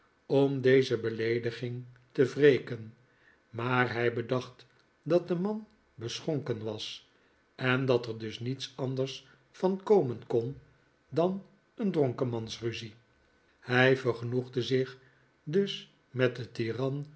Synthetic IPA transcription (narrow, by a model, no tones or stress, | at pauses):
ɔmdejzəbəlejdəχɪŋ | təvrejkən | maːɹɦɛjbədɑχt | dɑt̚dəmɑn | bəsχɔŋkənʋɑs | ɛndɑtəɹdɵsnitsɑndəɹs | fɑnkowmənkɔn | dɑn | əndrɔŋkəmɑnsryzi | hɛjvəɹχənuχdəzɪ | dɵs | mɛt̚dətirɑn